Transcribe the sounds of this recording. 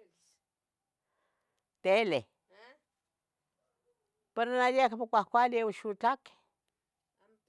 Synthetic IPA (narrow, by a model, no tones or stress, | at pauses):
t̪ele | peɾnajekpakʷakʷalewʃut͡ɬak